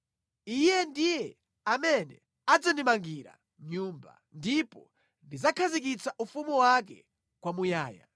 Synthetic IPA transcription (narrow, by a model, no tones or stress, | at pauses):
ijɛndijɛ | amɛnɛ̰ | ad͡zandimaŋɡiɾa̰ | ɲuːmba̰ | ndipɔ̰ | ndizakʰazik̬it͡saʔufumiwak̬ɛ̰ | kwamujaːja̰